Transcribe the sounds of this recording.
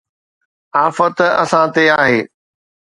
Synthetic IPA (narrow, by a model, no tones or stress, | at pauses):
aːfət̪ɐ̰sãt̪eaːɦeː